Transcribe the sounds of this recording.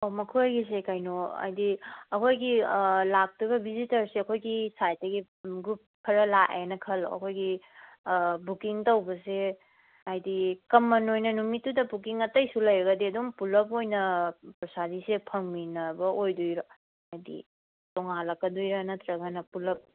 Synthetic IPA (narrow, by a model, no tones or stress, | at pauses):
omɐkʰujɡisekajnoa̰jdiɐkʰojɡilak̚tibɐbizitɐɾseɐkʰojɡisajtɐɡi | ɡɾup̚kʰːɐɾɐlaʔenɐkʰɐlɐ̰kʰojɡi | bukiŋtɐwbɐse | ajdikɐmːɐnojnɐnumitːudɐbukiŋɐtɐjsulɐjɾɐɡɐdiɐdumpulɐp̬ojnɐpɾɐsadisepʰɐŋminɐbɐʔojdujɾɐ | ɐjdḭ | tɔŋalɐkːɐdujɾɐnɐtɾɐɡɐnɐpulɐp̚